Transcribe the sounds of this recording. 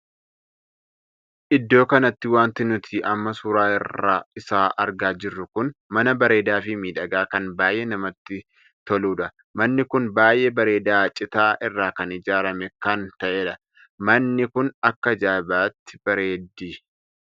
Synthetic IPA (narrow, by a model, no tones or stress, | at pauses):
ʔɪd̪ːo̞ːkɐnɐt̪ːɪwaːnt̪ɪnʊt̪ʰiːʔɐmːɐsʊɾaːɪrːa̰ːɪsaːʔɐɾɡaːd͡ʒɪrːʊkʊnmɐnɐbɐɾe̞ːd̪aːfɪmiːᶑɐɡaːkɐnbaːjʔeːnɐmɐt̪ːɪ | t̪ɔluːᶑɐ | mɐnːɪkʊnbaːjeːbɐɾe̞ːd̪aːt͡ʃʼɪt̪aːʔɪrːaːkɐnɪd͡ʒaːɾɐmɛkɐnt̪ɐʔeːᶑɐ | mɐnːɪkʊnɐkːɐd͡ʒaːbaːt̪ːɪ̥b̥ɐɾeːd̪ːiː